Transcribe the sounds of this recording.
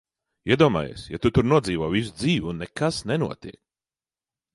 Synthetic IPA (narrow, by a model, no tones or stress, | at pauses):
iɛd̪uɔma̰ːjḛːsja̰t̪ut̪uɾnuɔd̪ziːvoːvis̬ud̪ziːvʲiunːɛkasnɛnṵɔt̪iɛk̚